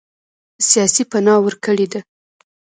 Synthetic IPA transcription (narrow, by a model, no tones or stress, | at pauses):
sjɑsipanɑwəɾkəɽed̪a